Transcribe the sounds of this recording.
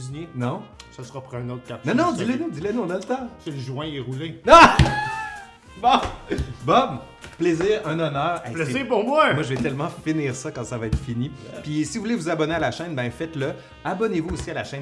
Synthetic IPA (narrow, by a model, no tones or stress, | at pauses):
ninɔ̃səsəʁapuʁɛ̃not̪̚kat̪̚nɛnɔ̃d̪ilɛnud̪ilɛnuɔ̃nalət̪ɑ̃silʒwɛ̃eʁulenɔ̃ | bɔbɔm | pleziːʁɛ̃ːnɔnœːʁɛplɛziːʁpuʁmwamwaʒəvɛt̪ɛlmɑ̃finiːʁsakɑ̃savaɛːt̪χfinipisivuvulevuzabɔnealaʃɛ̃nbɛ̃fɛt̪lə | abɔnevuosialaʃɛ̃n